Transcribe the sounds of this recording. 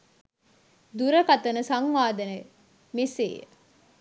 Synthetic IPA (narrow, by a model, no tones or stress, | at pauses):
d̪uɾɐkɐt̪ɐnəsɐŋʋaːd̪ɐne | mesḛːj̰